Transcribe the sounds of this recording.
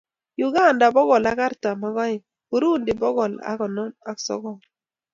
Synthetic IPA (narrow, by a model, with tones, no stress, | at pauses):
jʊ˨ɡa˦˨nda˨bɔ˦ɡɔ˨la˦ka˦ɾta˨ma˦ɡɔ˦ɪ˨ | u˦ɾu˦˨ndɪ˨bɔ˦ɡɔ˨la̰˦kɔ˨nɔ˦na˦ksɔ̰˦ɡɔ˨